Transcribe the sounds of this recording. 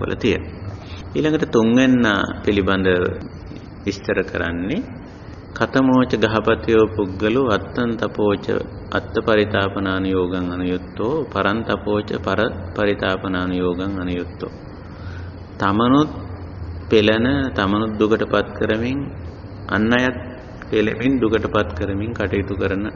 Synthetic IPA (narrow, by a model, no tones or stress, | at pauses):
ʋə̰lʔɐ̰t̪ijə̰nɐiːlaŋɡəʈət̪uŋʋenːa̰ːpiliband̪ə | ʋist̪əɾəkə̰ɾa̰nːe | kat̪əmoːt͡ʃəɡaɦapat̪ijoːpuɡːəluat̪ːɐnt̪apoːt͡ʃə̰ | a̰t̪ːəpaɾit̪aːpənaːnujoːɡaŋanujut̪ːoːpaɾant̪apoːt͡ʃə̰paɾəpaɾit̪aːpənaːnujoːɡaŋɐnujut̪ːo̰ː | t̪amənut̪ | pelɐnət̪amɐnut̪̚d̪ukəʈəpat̪kəɾəmiŋ | a̰nːajat̪̚ | pelḛmind̪ukəʈəpat̪kəɾəmiŋkaʈijit̪ukəɾɐnə